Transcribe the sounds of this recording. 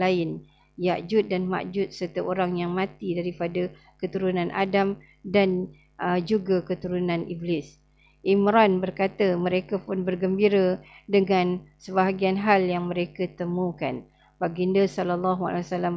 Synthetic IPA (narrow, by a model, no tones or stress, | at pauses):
laɪn | jaʔd͡ʒʊt̪̚danma̰ʔd͡ʒʊt̪̚sərt̪əʔoɾaŋjaŋmãt̪idaɾipada | kət̪uɾunanʔa̰dam | dan | d͡ʒuɡakət̪uɾunãnʔiblɪs | ʔimɾɔnbərkat̪amə̃ɾekapʊnbərɡəmbiɾədəŋãnsəbaɦaɡianɦaljaŋmə̃ɾekət̪əmũkan | baɡindəsɔlalːaɦua̰lewasalam